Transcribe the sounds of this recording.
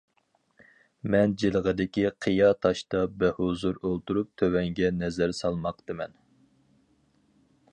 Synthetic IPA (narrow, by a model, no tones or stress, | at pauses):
mɛnd͡ʒilˠəʁəd̪ɪkʲiqʰəjɑt̪ʰɑʃt̪ɑbæhozuɾolˠt̪uɾup̚t̪ʰøwɛŋɡʲɛnɛzæɾsɑlˠmɑqt̪ɨmɛn